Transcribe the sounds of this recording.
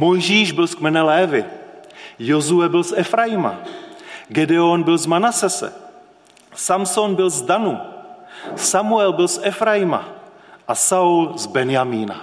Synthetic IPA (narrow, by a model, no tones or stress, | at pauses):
mo̞jʒiːʒbɪlskmɛnɛlɛːvɪ | jozuɛbɪlsʔɛfɾajɪma̰ | ɡɛdɛonbɪlzmanasɛsɛ̰ | samsonbɪlzdanu | samuɛlbɪlsʔɛfɾajɪma̰ʔasaulzbɛnjamiːna̰